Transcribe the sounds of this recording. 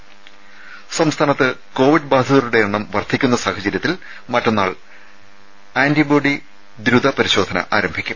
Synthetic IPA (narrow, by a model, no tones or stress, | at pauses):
sɐmst̪ʰaːnɐt̪ːɨko̞ːʋiɖbaːd̪ʱɐðɐɾuɽe̞eɳːɐmʋɐrt̪ʰikʲːun̪ːɐsaːhɐd͡ʑɐɾjɐt̪ːil | mɐtːonːaːɭ | aːndibo̞ːɖi | d̪ɾud̪ɐpɐɾiɕo̞ːd̪ʱɐnɐ̰ʔaːɾɐmbʱikʲːum